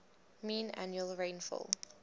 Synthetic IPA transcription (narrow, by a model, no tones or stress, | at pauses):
mĩːna̰njuəlˠɹẽɪ̃nfɔ̰l